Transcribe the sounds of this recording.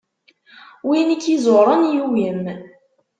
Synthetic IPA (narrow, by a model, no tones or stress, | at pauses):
winikːizoɾˤənjuwəm